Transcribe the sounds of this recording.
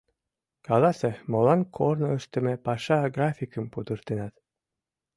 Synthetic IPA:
kɑlˠɑsemolˠɑnkʰornoøʃt̪ɘ̆mepɑʃɑɡrafʲikə̆mpud̪ɯɾt̪enɑt̪

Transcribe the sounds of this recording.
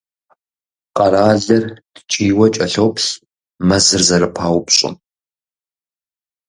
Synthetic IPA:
qɐɾaːɮɐrd̥t͡ʃʼiːwɐt͡ʃʼɐɬowpɬ | mɐzɨrzɐɾɨpʰaːwpɕʼɪ̰m

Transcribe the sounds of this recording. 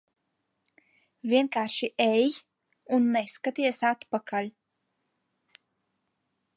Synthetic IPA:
vʲiɛnkaːɾʃiʔɛj | unːɛskat̪iɛsat̪pakalʲ

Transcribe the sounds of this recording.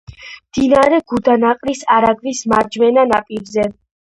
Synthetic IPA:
md̪̥inaɾɛɡud̪anaqʼɾisaɾaɡvismaɾd͡ʒmɛnanapʼiɾzɛ

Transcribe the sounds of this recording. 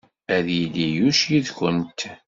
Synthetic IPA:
æðjilːijuʃjiðçənt̪

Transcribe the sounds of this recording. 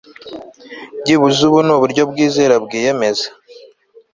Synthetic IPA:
ɟiβuzuβunuβuɾɟo̞bɡiːzeɾabɡiːjeme̞za

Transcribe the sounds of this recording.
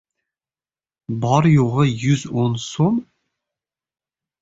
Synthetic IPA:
bɑɾjoʁəjʉzonsom

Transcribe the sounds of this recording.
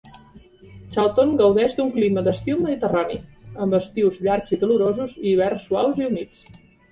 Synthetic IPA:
t͡ʃalˠt̪oŋɡəwðɛzd̪uŋkliməd̪əst̪iwməðit̪əranḭəmbəst̪iwzʎaɾkziðəluɾozuziːβ̞ɛrsːuawziumit͡s

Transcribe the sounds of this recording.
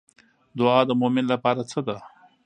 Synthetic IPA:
d̪ʊɑd̪əmomɪnlapɑɾat͡səd̪a

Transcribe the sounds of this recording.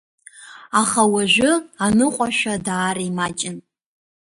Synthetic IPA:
aχawaʒʷᶣʊanɨqʷʼaʃᶣʷadaːɾiimat͡ʃʼɪn

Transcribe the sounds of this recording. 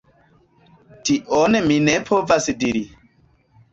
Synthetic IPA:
tiʔonminepʰovasdiɾi

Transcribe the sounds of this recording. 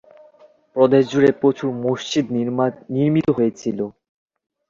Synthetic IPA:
pɾod̪eʃd͡ʑuɾepɾot͡ɕʰumoʃt͡ɕid̪niɾmit̪oɦojet͡ɕʰilo

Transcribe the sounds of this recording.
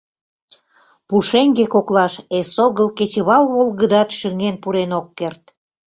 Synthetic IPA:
puʃeŋɡekoklɑʃesoɣəlket͡ɕβɑlβolɣəd̪ɑt̪ʃyŋenpuɾenokːert̪̚

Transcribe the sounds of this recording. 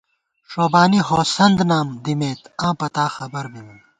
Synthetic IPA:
ʂoːbaːniɦoːsɐnd̪naːmd̪imeːt̪ãːpɐt̪aːxɐbɐɾmimɐn

